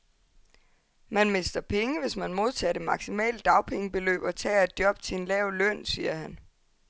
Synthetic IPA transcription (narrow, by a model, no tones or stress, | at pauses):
mænme̝sd̥ɐpʰeŋəʋe̝smænmo̝ð̞ˠt͡sʰɛ̰ːd̥e̝mɑ̈ɡ̥simɛ̰ːld̥ɑ̈ʊpʰeŋəb̥e̝lø̰ːb̥ɒ̽t͡sʰɛ̰ːæd̥̚jɒ̽b̥̚t͡sʰe̝e̝nlɛːʊlœn̰siːɐhæn